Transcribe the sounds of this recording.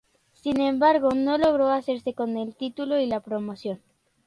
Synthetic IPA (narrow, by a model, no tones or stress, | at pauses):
sinẽ̞mbaɾɣ̞o̞no̞lo̞ɣ̞ɾo̞ase̞ɾse̞ko̞ne̞lt̪it̪ulo̞ilapɾo̞mo̞sjo̞n